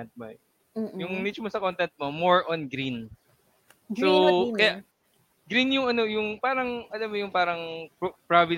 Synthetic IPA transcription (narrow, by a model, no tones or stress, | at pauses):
ɛnt̪̚mɐ | jʊŋnit͡ʃʊmosɐkont̪ɛnt̪̚momoɹʔonɡɾin | sokɐja | ɡɾinjʊŋɐno̞jʊŋpaːɾɐŋʔɐlamːojʊŋpaːɾɐŋppɹavɪ